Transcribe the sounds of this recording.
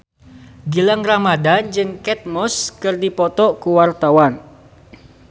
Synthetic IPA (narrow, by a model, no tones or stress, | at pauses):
ɡilaŋramadand͡ʒɨŋkɛt̪̚mɔskɨrdipɔt̪ɔkuwart̪awan